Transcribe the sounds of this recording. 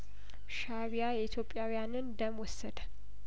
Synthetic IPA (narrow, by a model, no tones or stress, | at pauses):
ʃaβijajɛit̪ʰjo̞pʼːjawijanɨnd̪əmwɔsːəd̪ə